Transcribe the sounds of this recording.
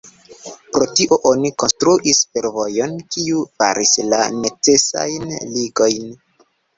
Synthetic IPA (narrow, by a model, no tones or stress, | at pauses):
pɾo̞tiʔo̞ʔo̞niko̞nstɾuʔisfe̞ɾvo̞jo̞nkiufa̰ɾʔisla̰ne̞t͡se̞sa̰jnliɡo̞jn